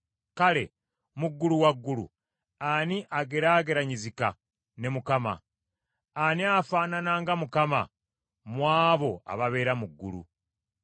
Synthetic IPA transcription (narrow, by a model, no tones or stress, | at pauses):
kale̞̰ | muɡːuluwaɡːulṵ | aniʔaɡeɾaːɡe̞ɾaɲizika̰ | ne̞mukama̰ | aniafaːnanaːŋɡamukama̰ | mwaːβo̞a̰βaβe̞ːɾamuɡːṵɾṵ